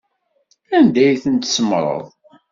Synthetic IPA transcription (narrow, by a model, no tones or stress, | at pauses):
ænd̪æjθənt̪səmɾˤə̰ðˤ